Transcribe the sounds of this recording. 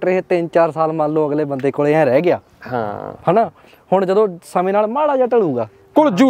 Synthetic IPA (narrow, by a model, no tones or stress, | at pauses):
ʈɾeːɦeːt̪ɪnt͡ʃaːɾsaːlmãːlːõːəɡleːbənd̪eːkoːɽeːɛ̃ːɾɛːɡɪaː | hã̰hɛːnaː | hʊɳd͡ʒəd̪õːsəmẽːnaːlmaːɽaːd͡ʒaːʈəɽuːɡaː | kʊld͡ʒuː